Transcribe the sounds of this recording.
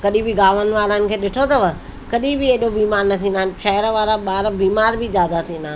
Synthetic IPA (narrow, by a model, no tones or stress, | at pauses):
kɐɗĩbɪɡaːʋənɪ̆ʋaːɾənɪ̆kʰeːɗɪʈʰot̪ɐʋɐ | kɐɗĩbɪeːɗobiːmaːɾnɐt̪ʰĩːnd̪aːnʃɛɦɪɾʋaːɾaɓaːɾbiːmaːɾbizjaːd̪at̪ʰĩːnd̪aː